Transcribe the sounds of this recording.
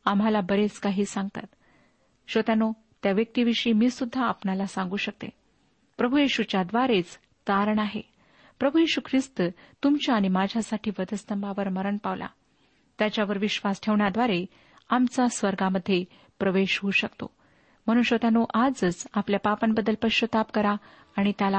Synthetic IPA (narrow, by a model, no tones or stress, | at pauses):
amɦalabəɾet͡skaɦiːsãŋɡt̪a̰t̪ | ɕət̪ano | t̪jaʋjək̚t̪iːʋiʂiːmiːsud̪ʱːaːpnalasãŋɡuːɕək̚t̪ḛ | pɾəbʱujiɕut͡ɕjad̪ʋaɾet͡s | t̪aɾəɳaɦḛ | pɾəbʱujiɕukʰɾist̪t̪umt͡ɕjaːɽ̃imad͡ʑʱjasaʈʰiːʋəd̪ʱəst̪əmbaʋəɾməɾəɳpaʋlʔa̰ | t̪jat͡ɕjaʋəɾʋiɕʋasʈʰeʋɳjad̪ʋaɾe | amt͡sasʋəɾɡaməd̪ʱːje | pɾəʋeɕɦuːɕəkt̪o̰ | m̤əɽ̃ũnɕət̪anoʔad͡zd͡zapljapapənbəd̪ːəlpəɕət̪apkəɾaː | ɽ̃it̪jala